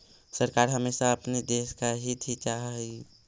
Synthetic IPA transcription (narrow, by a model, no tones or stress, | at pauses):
səɾkaːɾɦəmeːsaəpned̪eːskaɦit̪ʰit͡ʃaɦi